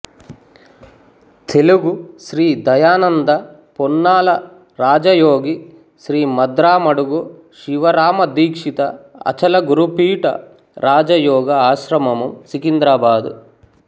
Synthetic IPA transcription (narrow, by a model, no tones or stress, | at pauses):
t̪ʰeluɡuʃɾiːd̪ɐjaːnɐnd̪ɐ | ponːaːlɐ | ɾaːd͡ʒɐjoːɡi | ʃɾiːmɐd̪ɾaːmɐɽuɡu | ʃiʋɐɾaːmɐd̪iːkʂit̪ɐɐ̰t͡ʃɐlɐɡuɾupiːʈɐ̰ | ɾaːd͡ʒɐjɔːɡɐaːʃɾɐmɐmumsikind̪ɾaːbaːd̪ṵ